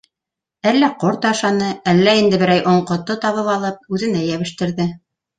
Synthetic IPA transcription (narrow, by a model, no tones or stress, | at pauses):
ælːæqoɾt̪ɑʃɑnɤælːæind̪ɘ̆bɘ̆ɾæjʔŏɴqŏt̪ːɤt̪ɑβɤβɑlˠɤp̚ʉðɘ̆næjæβɘ̆ʃt̪ɘ̆ɾðɘ